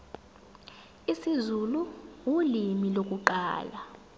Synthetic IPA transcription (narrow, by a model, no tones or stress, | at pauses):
isizuluwulimilok̬ʼuǃa̰ːla